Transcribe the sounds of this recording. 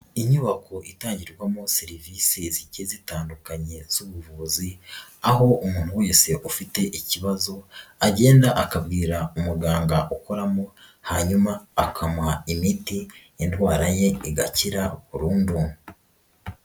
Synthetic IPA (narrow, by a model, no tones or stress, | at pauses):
iɲuβako̞ʔitaːɲɟiɾɡwamoseɾiviːsezicezitaːndukaɲe̞z̥uβuvuziaɦo̞ʔumuːn̥huwojese̞ʔufite̞ʔiciβazo̞aɟe̞ːndaʔakabɡiːɾaumuɾɡaːŋɡaʔuko̞ɾamo | haɲumaːkʰamwaimiti | entwaːɾaje̞iɡaciɾakuɾuːndu